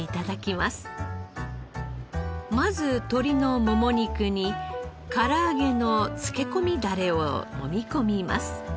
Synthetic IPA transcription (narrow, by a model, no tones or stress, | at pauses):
it̪ad̪akʲimasɨ̥ | mazɨt̪o̞ɾʲino̞mo̞mo̞ɲ̟ikɯ̟ɲ̟i | kaɾaːɡe̞no̞t͡sɨ̥ke̞ko̞mʲid̪aɾe̞o̰no̞̰mʲiko̞mʲima̰sɨ̥